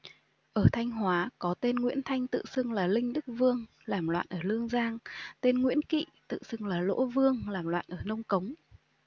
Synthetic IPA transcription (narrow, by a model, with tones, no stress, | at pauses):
ʔəː˧˩t̪ʰa˧jŋ̟ɦwaː˨˦kɔ˨˦t̪e˧nŋwḭ˧˥ənt̪ʰa˧jŋ̟t̪ɨ̰˧˨sɨ˧ŋlaː˨˩lï˧ŋ̟ɗɨ˦˥k̚vɨ˧əŋ | laː˨˩mlwa̰ː˧˨nʔəː˧˩lɨ˧əŋzaː˧ŋt̪e˧nŋwḭ˧˥ənkḭ˧˨t̪ɨ̰˧˨sɨ˧ŋlaː˨˩lo̰˧˥vɨ˧əŋlaː˨˩mlwa̰ː˧˨nʔəː˧˩nə˧wŋ͡mkə˨˦wŋ͡m